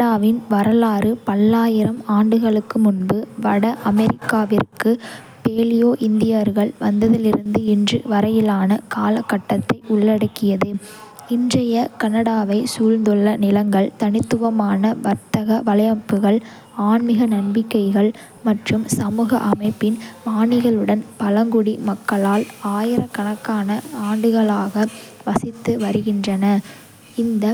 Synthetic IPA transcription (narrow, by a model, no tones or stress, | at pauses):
ɐɽaːʋɪnʋɐɾɐlaːɾɯpɐlːaːjɪɾɐmaːɳɖɯɣɐɭɯkːɯmʊnbɯʋɐɽɐʔɐmɛɾɪkːaːʋɪrkːɯ | peːlɪjoːʔɪnd̪ɪjɐɾɣɐɭʋɐnd̪ɐðɪlɪɾɯnd̪ɯɪndrɯʋɐɾɐjɪlaːnɐkaːlɐkːɐʈːɐt̪ːɐɪʔʊɭːɐɽɐkːɪjɐðɯ | ɪndrɐjɐkɐnɐɽaːʋɐɪsuːɻnd̪ɔɭːɐnɪlɐŋɡɐɭt̪ɐnɪt̪ːɯʋɐmaːnɐʋɐɾt̪ɐɣɐʋɐlɐjɐpːɯɣɐɭ | aːɳmɪɣɐnɐɳbɪkːɐɪɣɐɭ | mɐʈrɯmsɐmuːɣɐʔɐmɐɪpːɪnʋaːɳɪɣɐɭɯɽɐnpɐlɐŋɡʊɽimɐkːɐɭaːlaːjɪɾɐkːɐɳɐkːaːnɐaːɳɖɯɣɐɭaːɣɐʋɐsɪt̪ːɯʋɐɾɯɣɪndrɐnɐ | ɪnd̪ɐ